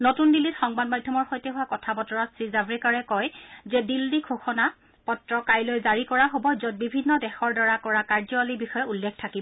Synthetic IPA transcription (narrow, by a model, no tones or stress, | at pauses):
notundilːitxɔŋbadmadʱjɔmɔɹxojtɛɦʊwakɔtʰabɔtɔɹɔtsɹizabɹikaɹɛkɔjzɛdildikʰoxɔna | pɔtɹɔkajlojzaɹikɔɹaɦobɔzɔt̚bibʱinːɔdɛxɔɹdaɹakɔɹakaɹzɔalibixɔjɔulːɛkʰtʰakibɔ